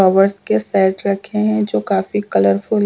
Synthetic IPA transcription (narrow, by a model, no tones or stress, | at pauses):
ɔːʋəɾskesɛːʈɾɐkʰːeɦɛ̃d͡ʒoːkaːfikɐləɾfʊl